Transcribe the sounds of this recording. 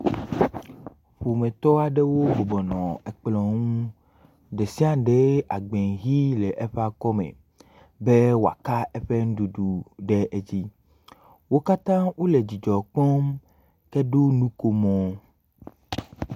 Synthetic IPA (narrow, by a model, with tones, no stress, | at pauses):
ɸu˨mẽ˨t̪ɔ˦a˨ɖe˦wo˦bo˨bɔ˨nɔ̃˨ɛ˨k͡plɔ̃˨ŋũ˦ | ɖe˨si˦a˦ɖe˨˦a˨ɡ͡be˨ŋɣi˦le˨ʔɛ˦ɸa˦kɔ˦mḛ̃˨ | be˦wo˨a̰˨ka˦e˦ɸe˦ŋ̩˦ɖu˨ɖu˨ɖe˦ʔe˦d͡ʑi˦ | wo˦ka˦t̪ã˦wo˦le˨d͡ʑi˨d͡ʒɔ˨k͡pɔ˦m | kɛ˦ɖo˦nũ˦ko˦mɔ̃˨˦